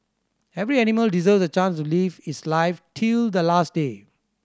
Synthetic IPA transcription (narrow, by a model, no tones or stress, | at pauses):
ɛvɾiɛniməldizəvsət͡ʃãnstulivitslaɪftʰild̪əlastde